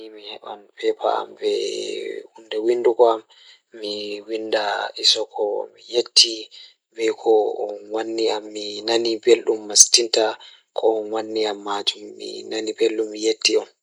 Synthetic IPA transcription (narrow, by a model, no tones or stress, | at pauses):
imihɛɓa̰npʰɛpʰa̰a̰mbɛ | hundɛwindukɔamː | iwindaisɔkʰɔ̰mijetʰːi | bɛjkʰɔɔnwanːiamːinanibelɗumːastinta | kʰɔɔnwanːiamːad͡ʒumːḭnanibelɗumːijetːiɔn